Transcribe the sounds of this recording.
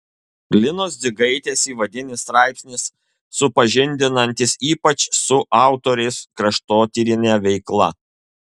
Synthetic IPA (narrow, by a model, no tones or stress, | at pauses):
ɡlʲɪnoːsd̪zʲɪɡɐɪt̪ʲeːsiːʋɐd̪ʲɪnʲɪst̪ɾɑˑɪpʲsʲnʲɪsː | ʊpɐʒʲɪnʲd̪ʲɪnɐnʲt̪ʲɪsiːpɐt͡ʃsʊʔɑˑʊt̪oːɾʲɛɪskɾɐʃt̪oːt̪ʲiɾʲɪnʲɛʋʲɛɪklˠɐ